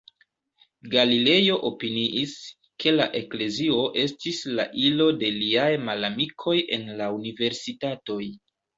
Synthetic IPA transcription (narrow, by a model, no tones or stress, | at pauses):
ɡalile̞jo̞ʔopiniʔis | ke̞la̰ʔe̞kle̞zio̞ʔe̞stisla̰ʔilo̞de̞liajmalamikʰo̞jʔe̞̰nlaunive̞ɾsitato̞j